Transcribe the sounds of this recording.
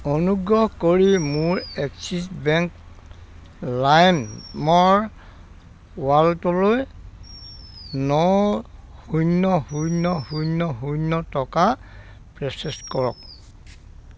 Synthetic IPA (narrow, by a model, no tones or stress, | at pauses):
onuɡɹɔhkoɹimʊɹɛksisbɛŋk | lajnmɔɹ | waltɔloj | nɔ | hujnːɔhujnɔhujnːɔɦujnːɔtɔka | pɹɛsɛskɔɹɔ̰k̚